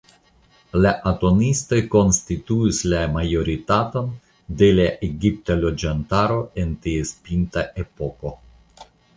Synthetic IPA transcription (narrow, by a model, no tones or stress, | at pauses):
laʔato̞nisto̞jko̞nstituislamajo̞ɾitato̞n | de̞laʔeɡip̚talo̞d͡ʒantaɾo̞e̞ntie̞spintaʔe̞po̞ko̞